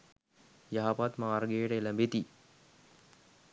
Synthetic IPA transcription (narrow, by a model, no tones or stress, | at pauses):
jaɦapat̪maːɾɡeːʈəeləmbet̪i